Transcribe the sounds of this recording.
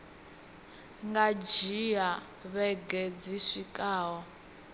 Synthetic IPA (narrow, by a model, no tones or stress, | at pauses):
ŋɡad͡ʒija | βɛɡed͡ziʂikʼaːwɔ